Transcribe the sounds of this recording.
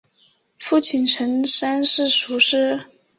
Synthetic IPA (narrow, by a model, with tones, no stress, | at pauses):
fu˥˩t͡ɕʰi˨˩nʈ͡ʂʰə˧˥ŋʂa˥nʂɻ̩˥˩ʂu˧˥ʂɻ̩˥